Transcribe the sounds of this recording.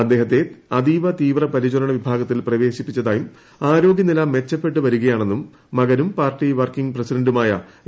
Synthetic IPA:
ɐd̪ːe̞ːɦɐt̪ːe̞ɐd̪iːʋɐt̪iːʋrɐpɐɾid͡ʑuɾɐɳɐʋibʱaːɡɐt̪ːilprɐʋe̞ːɕipːit͡ɕːɐðaːjum | aːɾo̞ːɡjɐnilaːmːe̞t͡ɕːɐpːe̞ʈːɨʋɐɾuɣɐjaːɳe̞nːumː | ɐɣɐnumpaːrʈːiʋɐrkiŋɡpresidɐɳndumaːjɐ̰

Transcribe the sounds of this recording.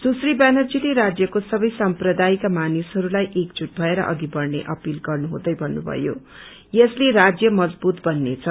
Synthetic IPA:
susribanʌrd͡zileɾad͡zjʌkosʌbʌjsamprʌd̪ajkamanisɦʌɾulajʔek̚d͡zuʈ̚bʱʌeɾʌ̰ʔʌɡibʌrnḛʔʌpilɡʌrnuɦṵ̃d̪ʌjbʱʌnːubʱʌ̰jo̰ | jʌsleɾad͡zjʌmʌd͡zbut̪bʌnːet͡sʰʌ

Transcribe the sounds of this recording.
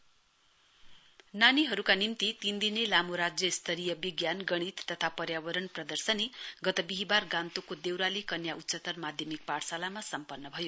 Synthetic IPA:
naniɦʌɾukanimt̪it̪ind̪inelamoɾad͡zjʌst̪ʰʌɾijʌbiɡjanɡʌɽ̃it̪ːʌt̪ʰapʌɾjabʌɾʌnprʌd̪ʌrsʌneɡʌt̪ʌbiɦibarɡãnt̪okod̪ewɾalikʌnjaʔut̪ːsʌt̪ʌrmad̪ʱjʌmik̚paɽsalamasʌmpʌnːʌbʱʌjo

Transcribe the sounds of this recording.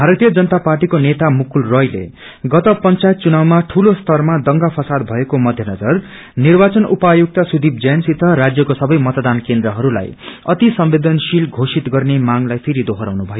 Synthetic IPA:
bʱaɾʌt̪ijʌd͡zʌnʌt̪aparʈikonet̪amukulrʌjlḛ | ɡʌt̪ʌpʌnt͡sajet̪̚t͡sunawmaʈʰulost̪ʌrmad̪ʌŋɡapʰʌsad̪bʱʌekomʌd̪ʱjʌnʌd͡zʌr | nirbat͡sʌnupajuk̚t̪asud̪ib̚d͡zʌnsit̪ʌɾad͡zjʌkosʌbʌjmʌt̪d̪ankend̪ɾʌɦʌɾula̰jʌ̰t̪isʌmbed̪ʌnsilɡʱosit̪ɡʌrnemaŋlajpʰiɾid̪oɦʌɾawnubʱʌjo

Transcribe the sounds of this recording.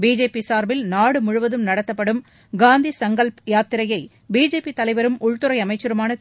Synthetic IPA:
biːd͡ʒeːpːisaːɾbɪlnaːɽɯmʊɻʊʋɐðɯmnɐɽɐt̪ːɐpːɐɽɯm | ɡaːnd̪isɐŋɡɐɭpjaːt̪ːɪɾɐjɐɪ | biːd͡ʒeːpːit̪ɐlɐɪʋɐɾɯmʔʊɭt̪ɯɾɐɪɐmɐɪt͡ʃːɐɾɯmaːnɐ

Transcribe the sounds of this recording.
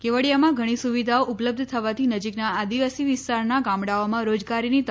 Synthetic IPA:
keʋəɽijamãɡʱəɽ̃isuʋid̪ʱaoʔʊpləb̚d̪ʱt̪ʰəʋat̪ʰinəd͡ʒiknaːd̪iʋasiʋɪst̪aɾnaɡamɽaomãɾod͡ʒɡaɾinit̪

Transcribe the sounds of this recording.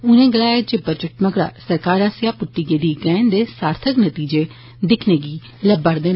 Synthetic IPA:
ʊnẽːɡəlaːed͡ʒeːbət͡ʃəʈməɡɾa̰ːsəɾkaːɾaːsjaːpʊʈːiːɡeːd̪iːkɛːnd̪eːsaːɾt̪ʰəknət̪iːd͡ʒeː | d̪ɪkʰneːɡiː | ləbəɽd̪eː

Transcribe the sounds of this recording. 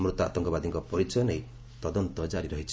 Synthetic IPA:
mɾut̪a̰ʔt̪ɔŋkɔbad̪iŋkɔpɔɾit͡ʃɔjɔnej | t̪ɔd̪ɔnt̪ɔd͡ʒaɾiɾɔɦit͡ʃʰi

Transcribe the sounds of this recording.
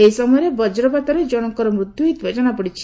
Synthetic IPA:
eisɔmɔjɔɾebɔd͡ʒɾɔbat̪ɔɾed͡ʒɔɽ̃ɔŋkɔɾɔmɾut̪juit̪bʱed͡ʒɔnapɔɽit͡ʃʰi̥

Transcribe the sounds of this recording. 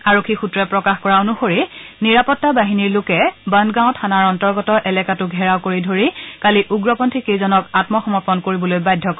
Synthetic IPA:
aɹokʰːixutɹɛpɹɔkaxkɔɹaonuxoɹiniɹapɔtːabaɦiniɹlʊkɛbandɡãw̃tʰanaɹɔntɔɹɡɔtɔɹʔɛlɛkatʊɡʱɛɹaʊkoɹidʱoɹikaliʔuɡɹɔpɔntʰikejzɔnɔkatmɔxɔmɔɹpɔnkoɹibɔlojbajdʱːɔk

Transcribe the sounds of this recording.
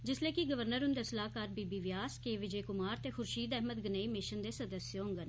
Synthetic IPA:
d͡ʒɪsleːkiɡəʋəɾnəɾɦʊnd̪esəlaːkaːɾbiːbiːʋɪjaːskeːʋɪd͡ʒeːkʊmaːɾt̪eːxʊɾʃiːd̪ɛɦməd̪ɡəneːimɪʃənd̪eːsəd̪əsjəõŋɡən

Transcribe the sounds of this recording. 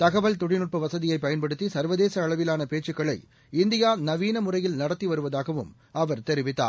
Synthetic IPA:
t̪ɐɣɐʋɐɭt̪ʊɽɪnɯʈ̚pɐʋɐsɐðɪjɐɪpːɐjɐnpɐɽɯt̪ːisɐɾʋɐðeːsɐːɭɐʋɪlaːnɐpeːʈt͡ʃːɯkːɐɭɐɪ | ɪnd̪ɪjaːnɐʋiːnɐmʊrɐjɪlnɐɽɐt̪ːiʋɐɾɯʋɐðaːɣɐʋɯ̰m | ɐʋɐɾt̪ɛɾɪʋɪt̪ːa̰ː

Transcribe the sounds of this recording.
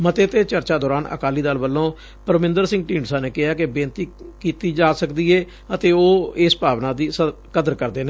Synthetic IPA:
mət̪eːt̪eːt͡ʃəɾt͡ʃaːd̪ɔːɾaːnə̰kaːliːd̪aːlʋəlːõː | pəɾmɪ̃nd̪əɾsɪ̃ŋɡʈĩːɳɖsãːneːkɪɦaːkɪbẽːnt̪iːkiːt̪iːd͡ʒaːsəkd̪iːeː | ət̪eːoːeːspaːʋnãːd̪iːsə | kəd̪əɾkəɾd̪eːneː

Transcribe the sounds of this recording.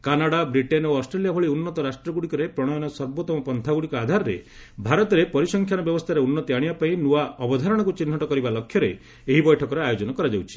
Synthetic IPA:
kanaɽabɾiʈenoɔsʈɾelijabʱɔɭiunːɔt̪ɔɾasʈɾɔɡuɽikɔɾepɾɔɽ̃ɔjɔñɔsɔɾbot̪ɔmɔpɔnt̪ʰaɡuɽikɔad̪ʱaɾɔɾḛbʱaɾɔt̪ɔɾepɔɾisɔŋkʰjanɔbjɔbɔst̪ʰaɾeunːɔt̪iaɽ̃ibapaĩnuaɔbɔd̪ʱaɾɔɽ̃ɔkut͡ʃin̤ːɔʈɔkɔɾibalɔkʰːjɔɾḛ | eɦibɔjʈʰɔkɔɾeajod͡ʒɔnɔkɔɾad͡ʒawt͡ʃʰi̥

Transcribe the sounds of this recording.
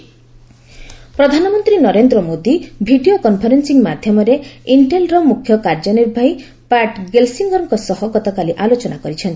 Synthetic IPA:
pɾɔd̪ʱanɔmɔnt̪ɾinɔɾend̪ɾɔmod̪ibʱiɖiokɔnpʰɔɾensiŋmad̪ʱjɔmɔɾeiɳʈelɾɔmukʰjɔkaɾd͡ʒɔniɾbʱaj | paʈɡelsiŋɡɔɾɔŋkɔsɔɦɔɡɔt̪ɔkaliʔalot͡ʃɔnakɔɾit͡ʃʰɔnt̪i

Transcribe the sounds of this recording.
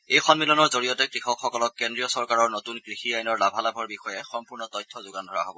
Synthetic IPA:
ejxɔnmilɔnɔɹzoɹijɔtɛkɹixɔkxɔkɔlɔkkːɛndɹijɔsɔɹkaɹɔɹnotunkɹixiajnɔɹlabʱalabʱɔɹbixɔjɛxɔmpuɹnɔtɔjtʰːɔzʊɡandʱɔɹa̰ɦobɔ̰

